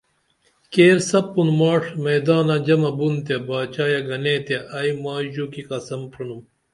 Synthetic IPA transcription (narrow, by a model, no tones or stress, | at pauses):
keːɾsɐpːunmaːʂmɐjd̪aːnɐd͡ʑɐmɐbunt̪jebaːt͡ɕaːjɐɡɐnẽːt̪eʔɐjmaːʑuːkiqɐsɐmpʰɾunum